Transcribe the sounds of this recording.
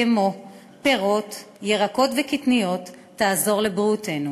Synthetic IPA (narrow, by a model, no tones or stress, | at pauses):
emo | pe̞ʁo̞t | jeʁako̞tvekitnijo̞t̪ː | aːzo̞ʁlebʁite̞nu